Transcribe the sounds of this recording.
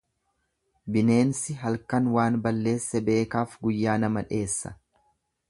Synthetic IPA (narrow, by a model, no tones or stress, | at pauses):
bɪne̞ːnsɪɦɐlkɐnwaːnbɐlːe̞ːsːɛbe̞ːkaːfɡʊjːaːnɐmɐᶑe̞ːsːɐ̥